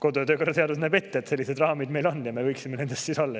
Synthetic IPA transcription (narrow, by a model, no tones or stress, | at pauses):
ko̞d̪oɑt̪øːko̞rːɑt̪eɑd̪us̬næb̥e̞t̪ːeet̪se̞lʲːised̪rɑːmid̪me̞jlo̞nːjɑme̞vɤjksimːene̞nd̪̥e̞st̪siːsolːɑ